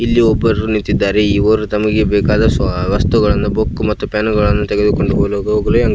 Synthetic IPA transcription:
ilːiɔbːɐɾɾunint̪ːid̪ːaːɾe̞iːoːɾut̪ɐmɐɡe̞bɛːkaːd̪ɐsʋɐst̪uɡɐɭɐnːubokːmɐt̪ːupaːnuɡɐɭɐnːut̪ɛɡed̪ukoɳɖuɦoloːɡɐoːɡɐlujaːŋɡ

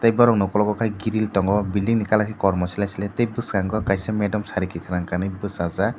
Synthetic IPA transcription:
t̪ajbɔɾɔŋnɔkɔlɔkɔkʰajɡiɾiltɔŋɡɔbiliŋnikalakʰikɔɾmɔsilajsilɛt̪ejbɯskaŋɡɔkajsɛmɛdɔmsaɾikikʰaɾaŋkanɯbɯsaza

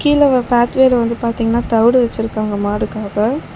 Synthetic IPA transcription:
kiːlɐpaːt̪ʋeːlɐʋɐnd̪ɯpaːɾt̪iːŋɡɐnːaːt̪ɐʋɪɽɯʋɛt͡ʃːɪɾɯkːaːŋɡɐmaːɽɯkːaːɣɐ

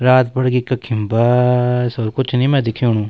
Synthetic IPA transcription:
ɾaːt̪bəɽɡikːakʰɪmbaːsɔɾkʊt͡ʃʰnĩːmɛ̃ːd̪ɪkʰːijũːnũː

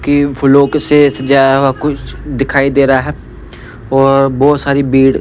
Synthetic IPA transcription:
kifʰʊloːksesd͡ʒaːdaɦakʊt͡ʃʰd̪ɪkʰaːid̪eːɾaaɦɛː | ɔːɾbɔːt̪saːɾibiːɽ

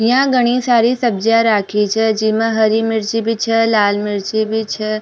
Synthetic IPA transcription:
jãɡəɽ̃isaɾisəb̚d͡ʒaɾakʰit͡ʃʰed͡ʒimãɦəɾimɪɾt͡ʃibʱit͡ʃʰelalmɪɾt͡ʃibʱit͡ʃʰe

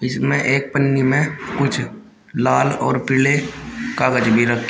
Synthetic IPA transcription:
ɪsmẽʔeːk̚pənːimẽkʊt͡ʃʰ | laːlɔ̰ːɾpɪlekaːɡəd͡ʒbʱiɾɐk̚ʰt̪

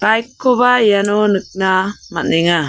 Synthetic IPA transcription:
kajkːobajjanonək̚namaniŋa

